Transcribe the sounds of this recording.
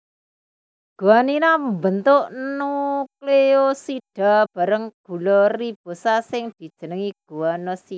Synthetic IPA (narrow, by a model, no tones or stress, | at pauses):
ɡ̥uwaninambənt̪ʊʔnukleosiɖ̥a̤b̥a̤ɾəŋɡ̥ṳlɔrib̥o̤sasɪŋd̪̥i̤d̥ʒ̥ə̤nəŋiɡ̥uwanɔsi